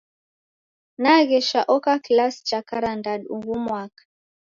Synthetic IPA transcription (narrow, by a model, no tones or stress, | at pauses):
naɣɛʃaʔɔkaklast͡ʃakaɾandaduɡumwakḁ